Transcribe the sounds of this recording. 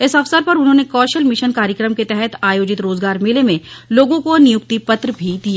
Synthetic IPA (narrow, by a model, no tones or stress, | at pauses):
ɪsɐfsəɾpɐɾʊnɦõːnekɔːʃəlmɪʃənkaːɾjəkɾəmket̪ɛɦɛt̪ʰaːjoːd͡ʒɪt̪ɾoːzɡaːɾmɪlemẽloːɡõkonɪjʊk̚t̪ipɐt̪ɾəbʱid̪ija